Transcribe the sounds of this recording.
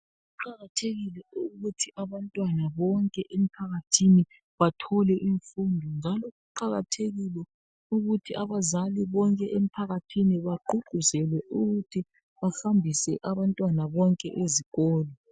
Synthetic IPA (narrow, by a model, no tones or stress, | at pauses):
uǃaɣatʰeɣilɛuɣutʰiʔaβantʼwanaβɔŋkʼɛʔem̩pʰaɣatʰini | βatʰɔlɛʔiɱfundʱɔnd͡ʒʱalɔɣuǃaɣatʰeɣilɛ | uɣutʰiʔaβazaliβɔŋkʼɛʔem̩pʰaɣatʰiniβaǃʱuɡ͡ǃʱuzɛlwɛʔuɣutʰi | βaxambʱisɛʔaβantʼwanaβɔŋkʼɛʔeziɣɔːlɔ